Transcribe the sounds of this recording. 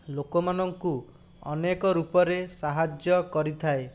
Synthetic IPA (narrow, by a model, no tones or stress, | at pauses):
lokɔmanɔŋku | ɔnekɔɾupɔɾesaɦad͡ʒjɔkɔɾit̪ʰae